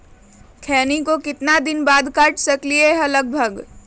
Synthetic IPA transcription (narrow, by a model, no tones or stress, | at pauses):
kʰɛːnikokɪt̪nad̪ɪnbaːd̪kaːʈʰsɐklieɦɐləɡ̚bʱəɡ